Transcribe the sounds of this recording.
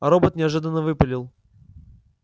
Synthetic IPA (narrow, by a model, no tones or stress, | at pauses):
ɐɾobət̪nʲɪɐʐɨd̪ənːəvɨpəlʲɪlˠ